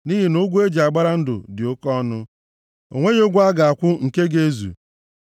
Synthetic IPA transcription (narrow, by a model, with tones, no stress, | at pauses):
ni˦ɦi˨no˦ɡʷu˦e˦d͡ʒe˨a˨ɡ͡ba˦ɾa˦n̩˦dʊ̰˨dɪ˨o˦kɔ˦nʊ˦ | o̰˨ŋʷe˦ɲ˦o˦ɡʷa˦ɡa˨a˨kʷʊ˦ŋ̩˨ke˦ɡe˦zṵ˨